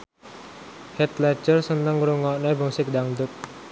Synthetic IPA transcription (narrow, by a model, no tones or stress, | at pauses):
hɛt̪lɛ̥d͡ʒərsənəŋɾuŋɔʔnebəŋsik̚daŋd̪ʊk̚